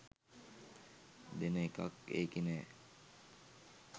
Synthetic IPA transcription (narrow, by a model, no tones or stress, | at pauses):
d̪enəeka̰kḛːkinɛː